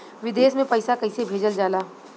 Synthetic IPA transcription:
ʋɪd̪eːsmẽpɐɪsakɐɪsebʱeːd͡ʒəld͡ʒaːlaː

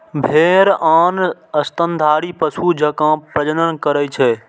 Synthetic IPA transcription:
bʱeːɾaːnəst̪ənd̪ʱaːɽipəsud͡ʒəkãpɾəd͡ʒənənkəɾəjt͡ʃʰɛː

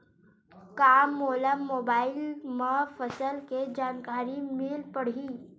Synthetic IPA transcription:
kamːoləmːoːbaːilməfəsəlked͡ʒaːnkaɾimilpəɽ̤iː

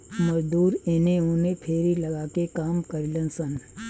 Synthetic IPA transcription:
mɐd͡ʒd̪uːɾeneũnẽpʰeːɾilɐɡaːkekaːmkəɾilənsən

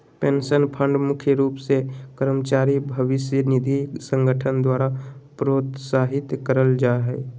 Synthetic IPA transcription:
pẽːnsənpʰə̃ɳɖmʊkʰjəɾuːpsekəɾmət͡ʃaːɾibʱəʋɪsjənɪd̪ʱisə̃ŋɡəʈʰənd̪waːɾapɾoːt̪saːɦɪt̪kəɾəld͡ʒaːɦɛː

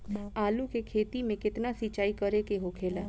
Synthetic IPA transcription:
aːlũkekʰeːt̪imẽkɪt̪nasit͡ʃaːikəɾekeɦokʰeːlaː

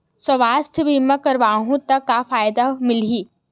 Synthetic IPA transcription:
səʋaːst̪ʰbʱimə̃kɐɾʋaːɦũt̪ɐkːafaːjd̪amɪliː

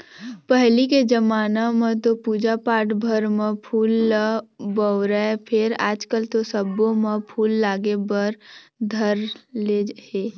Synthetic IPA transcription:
pəɦliked͡ʒəmaːnamə̃t̪opuːd͡ʒapaːʈbʱəɾmẽpʰuːlː | bəʊɾəepʰɪɾaːd͡ʒkəlt̪osəbõmə̃pʰuːlːaːɡebəɾd̪ʱəɾleɦeː

